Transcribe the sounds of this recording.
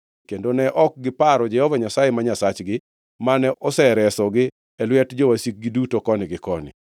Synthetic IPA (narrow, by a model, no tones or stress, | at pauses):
kendonɛʔɔk̚ɡɪpaɾɔd͡ʒɛhɔvaɲasajemaɲasat͡ʃɡɪ | manɛʔɔsɛɾɛsɔɡɪ | ɛlwɛtd͡ʒowasik̚ɡɪdutokɔnɪɡɪkɔnɪ̰